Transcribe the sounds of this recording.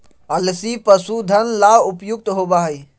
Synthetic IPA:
əlsipəsud̪ʱənlaʊpjʊk̚t̪ɦobaːɦi

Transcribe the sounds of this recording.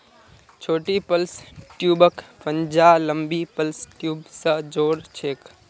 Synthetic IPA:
t͡ʃʰoːʈipəlsʈjubəkpənd͡ʒaləmbipəlsʈjuːbsə̃d͡ʒoɾt͡ʃʰek

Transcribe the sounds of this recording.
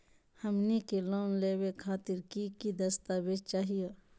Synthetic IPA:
hɐmnikeloːnleːwekʰaːt̪ɪɾkikid̪ɐst̪aːʋed͡ʒ̚t͡ʃaːɦije

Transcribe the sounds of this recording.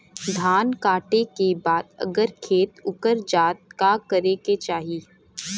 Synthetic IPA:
d̪ʱaːnkaːʈekebaːd̪ɐ̰ɡəɾkʰeːt̪ʊkəɾd͡ʒaːt̪̚kakəɾeket͡ʃaːɦiː

